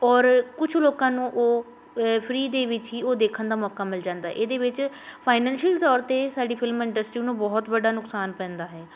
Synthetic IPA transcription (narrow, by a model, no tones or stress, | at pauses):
ɔːɾkʊt͡ʃʰloːkãːnũːʔoː | pʰɾiːd̪eːʋɪt͡ʃɦiːoːd̪eːkʰənd̪aːmɔːkaːmɪld͡ʒãːnd̪aːʔeːd̪eːʋɪt͡ʃ | pʰaːɪnɛ̃ːnʃəlt̪ɔːɾt̪eːsaːɖiːpʰɪlmɪɳɖəsʈɾiːnũːbɔːt̪bəɖaːnʊksaːnpɛ̃ːnd̪aːɦɛː